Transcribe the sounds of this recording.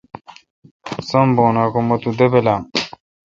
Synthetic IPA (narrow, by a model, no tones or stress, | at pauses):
sɐmboːnaːkomot̪ud̪ebelaːm